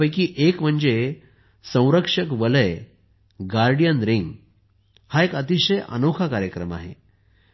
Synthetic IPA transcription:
əjkiːʔekm̤əɳd͡ze | sə̃w̃ɾəkʂəkʋələj | ɡaɾɖijənɾiŋɡ | haekət̪iɕəjʔə̰nokʰakaɾjəkɾəma̰ɦḛ

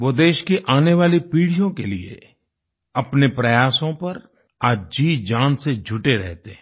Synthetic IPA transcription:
ʋoːd̪eːʃkiʔaːneʋaːlipiːɽ̤ijõkeliḛ | ɐpnepɾɐjaːsõpɐɾ | aːd͡ʒiːd͡ʒaːnsed͡ʒʱʊʈeɾɛɦt̪ẽ

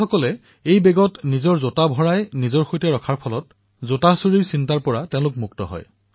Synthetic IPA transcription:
ɔkɔlɛ | ejbɛɡɔtnizɔɹzotabʱɔɹajnizɔɹxojtɛɹɔkʰaɹpʰɔlɔt | zotasoɹiɹsintaɹpɔɹatɛʊ̃lʊkmuktɔ̰ɦɔ̰j

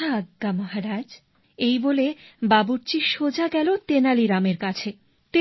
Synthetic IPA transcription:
aaɡːamɔɦaɾad͡ʑ | ejbolebabuɾt͡ɕiʃod͡ʑaɡɛlot̪enaliɾameɾkat͡ɕʰe | t̪e

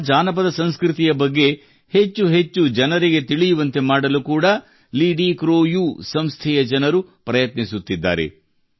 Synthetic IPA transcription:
d͡ʒaːnɐp̬ɐd̪ɐsɐnskɾit̪ijɐbɐɡːe̞ | het͡ʃːuɦe̞t͡ʃːud͡ʒɐnɐɾiɡe̞t̪iɭijuʋɐnt̪e̞maːɽɐlukuːɽɐ | liːɖikɾoːjuːsɐmst̪ʰɛjɐd͡ʒɐnɐɾupɾɐjɐt̪nisut̪ːid̪ːa̰ːɾe̞̰

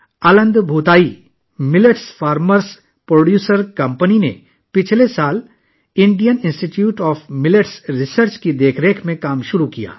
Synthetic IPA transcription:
ɐlə̃nd̪bʱuːt̪aːi | mɪləʈsfaːɾməɾs | pɾoːɖjuːsəɾkɐ̃mpəninḛ | pɪt͡ʃʰlesaːl | ɪ̃ɳɖijənɪ̃nsʈiʈjuːʈɔːfʰmɪləʈsɾɪsəɾt͡ʃkid̪eːkʰɾeːkʰmẽkaːmʃʊɾukija̰ː

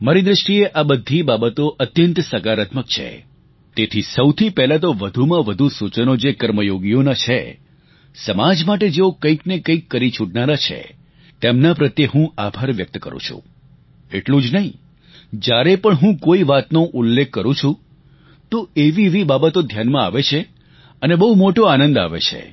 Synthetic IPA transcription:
maɾid̪ɾəʃʈieʔabəd̪ʱːibabət̪oʔət̪jənt̪səkaɾət̪məkt͡ʃʰḛ | t̪et̪ʰisəwt̪ʰipɛɦlat̪̬oʋəd̪ʱumãʋəd̪ʱusut͡ʃənod͡ʒekəɾməjoɡijonat͡ʃʰḛ | səmad͡ʒmaʈ̬ed͡ʒeokə̃ĩknekə̃ĩkːəɾit͡ʃʰuʈnaɾat͡ʃʰḛ | t̪emnapɾət̪jeɦũabʱaɾʋjək̚t̪kə̰ɾṵ̃t͡ʃʰṵ̃ | eʈlũd͡ʒnəɦĩ | d͡ʒjaɾepəɳɦũkoiʋat̪noʔʊlːekʰːəɾũt͡ʃʰũ | t̪oeʋiʋibabət̪od̪ʱjanmãaʋet͡ʃʰe | ənebəɦumoʈoanə̃nd̪a̰ʋḛt͡ʃʰḛ

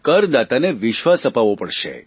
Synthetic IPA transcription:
kəɾd̪at̪aneʋɪʃʋasəpaʋopəɽʃḛ

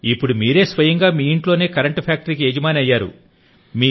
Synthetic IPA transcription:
ipːuɽumiːɾe̞ːsʋɐjɐŋɡaːmiːiɳʈlo̞ːne̞ːkɐɾɐɳʈpʰaːk̚ʈɐɾikied͡ʒɐmaːnɐjːaːɾṵ | miː

